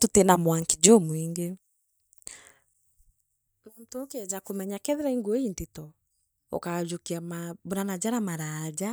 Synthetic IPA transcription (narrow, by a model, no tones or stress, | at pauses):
tutenamwaŋkid͡ʒɔmwiːŋɡe | montokeɛd͡ʑakomɛɲakɛðeɾaiŋɡuointitɔ | ɔ̰kad͡ʒokiamaboɾanad͡ʑaɾamaɾaːd͡ʑa